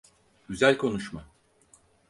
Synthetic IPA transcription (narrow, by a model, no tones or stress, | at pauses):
ɟyzælʲkʰo̞nuʃma